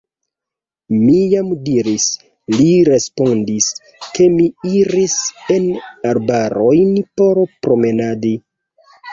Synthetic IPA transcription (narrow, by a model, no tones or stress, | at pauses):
mijamdiɾis | liɾe̞spo̞ndis | ke̞miiɾise̞naɾbaɾo̞jnpo̞ɾpɾo̞me̞nadi